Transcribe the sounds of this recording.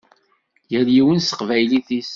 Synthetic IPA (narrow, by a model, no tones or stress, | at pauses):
jəɾjiwənsə̥qvæjliθis